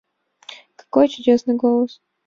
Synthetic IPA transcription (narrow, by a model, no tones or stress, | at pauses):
kɐ̥kojt͡ɕʊdʲesnɨjɡolˠəs